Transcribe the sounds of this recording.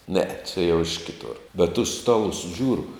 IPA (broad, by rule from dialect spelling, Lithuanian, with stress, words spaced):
nʲɛɛ t͡ʃʲɛ jɛʊ ɪʃ ˈkʲɪtoːr bʲɛt tʊs ˈstɑːlˠʊs ˈʒʲuːrʊ